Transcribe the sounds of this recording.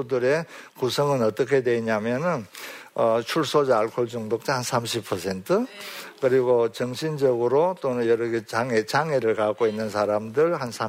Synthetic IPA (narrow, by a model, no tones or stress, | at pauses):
udɯɾe̞kusʰʌŋɯnʌt͈ʌkʰe̞dwe̞iɲamjʌnɯnʌt͡ɕʰuɭs͈ʰod͡ʑʌaɭkʰoɭd͡ʑuŋdok̚t͡ɕ͈ahansʰamɕʰipʰʌsʰe̞ntʰɯkɯɾiɡot͡ɕʌŋɕʰind͡ʑʌɡɯɾot͈onɯnjʌɾʌɡet͡ɕaŋet͡ɕaŋeɾɯɭkak͈oinːɯnsʰaɾamdɯɭhansʰa